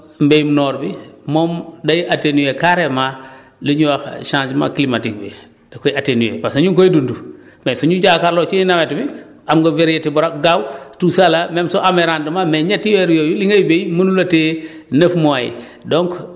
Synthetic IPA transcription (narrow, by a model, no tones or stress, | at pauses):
mbejumnoːɾbimomdajʔatenujekaɾema | liɲuwaxʃãːd͡ʒma̰kilimatik̚bḭ | d̥akojiatenujḛpasaɲuŋkoidundu | mesuɲuɟakaɾloːt͡ʃiinawetbi | amɡoveɾjetibuɾakɡawtusalamemsoʔameɾandumameɲetːiweɾjojuliŋajibejmunulatenəfmoajḭ | doŋk